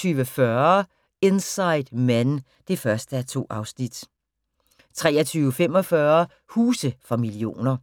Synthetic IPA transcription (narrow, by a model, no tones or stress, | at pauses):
yːʋəfɶɐ | e̝nsɑ̈ɪd̥mæn | d̥e̝fɶɐsd̥əæɐt͡sʰo̝̰ːʔɑ̈ʊsnid̥ | t͡sʰʁɛːɐt͡sʰyːʊəfem̰ɒ̽fɶɐ | huːsəfʁɑ̈milio̝̰ːnɐ